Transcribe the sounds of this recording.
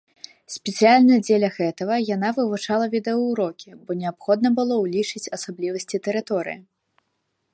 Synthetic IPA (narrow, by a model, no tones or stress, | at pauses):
sʲpʲɛt̪sɨjalʲnɐjɐd͡zʲelʲɐɣɛt̪ɐɣɐjanavɨvut͡ʂalˠɐvʲid̪ɛɐwɾɔkʲibɔnʲɛapxɔd̪nɐbɨlˠɔwlʲit͡ʂɨt͡sʲɐsablʲivɐsʲt͡sʲit̪ɛɾɨt̪ɔɾɨ̰ji